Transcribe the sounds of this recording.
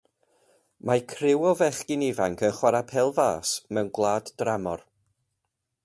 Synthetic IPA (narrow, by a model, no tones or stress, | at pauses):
makʰrɪwɔvɛχɡɪnivaŋkʰənχwaɾapʰɛlˠva̰ːsmɛwnɡwlˠaːdd̥ramɔr